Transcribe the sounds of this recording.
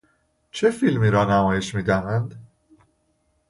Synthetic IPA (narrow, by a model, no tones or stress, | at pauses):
t͡ʃʰefilmiːɾɒːnæmɒːje̞ʃmiːd̪æmænd̪